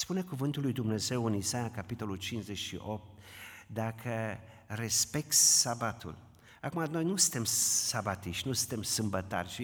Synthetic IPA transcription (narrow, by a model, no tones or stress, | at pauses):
spune̞kuvɨnt̪ulːujd̪umne̞ze̞wɨnisajakapit̪o̞lult͡ʃinzet͡ʃʃḭʔo̞p̚t̪̚ | d̪akʰə | re̞spe̞k̚t̪sabat̪ṵl | akumano̞jnusɨ̥̃nt̪e̞msabat̪iʃt̪ʲnusɨ̥nt̪e̞msɨmbət̪a̰rʲʃi